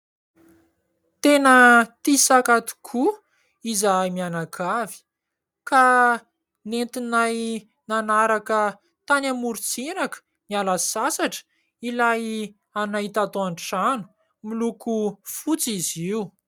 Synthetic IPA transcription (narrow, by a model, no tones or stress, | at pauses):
t̪enət̪isakat̪u̥kʰu | izamianakʰavi̥ | ka | nent̪inaj | nanaɾakə | t̪anamuɾit͡sinakə̥ | nialasasaʈ͡ʂə̥ | ilaj | anait̪at̪oaɳʈ͡ʂanu̥ | milukufut͡siziu